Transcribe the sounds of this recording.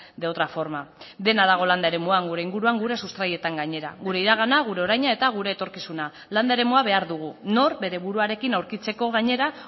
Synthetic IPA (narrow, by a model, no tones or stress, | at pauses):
ðeot̪ɾafo̞ɾmaðe̞naðaɣ̞o̞land̪ae̞ɾe̞muaŋɡuɾe̞iŋɡuɾuaŋɡuɾe̞sust̪ɾaje̞t̪aŋɡaɲe̞ɾa̰ɣuɾe̞iɾaɣ̞anaɣ̞uɾe̞oɾajɲae̞t̪aɣ̞uɾe̞ːt̪o̞ɾkisuna | land̪ae̞ɾe̞muaβe̞aɾðuɣ̞uno̞ɾbe̞ɾe̞βuɾuaɾe̞kinawɾkit͡se̞ko̞ɣaɲe̞ɾa